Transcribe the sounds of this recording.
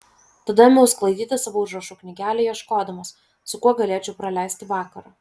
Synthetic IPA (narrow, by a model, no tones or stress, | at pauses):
t̪ɐd̪ɐmʲʊʊsklˠɐɪd̪ʲiːt̪ʲɐsɑʋoːʊʒɾɐʃuːknʲɪɡʲæːlʲɛjiɛʃkoːd̪ɐmɐs | sʊkuɔɡɐlʲeːt͡ʃʲɛʊpɾɐlʲæˑɪsʲt̪ʲɪʋɑːkɐɾɐː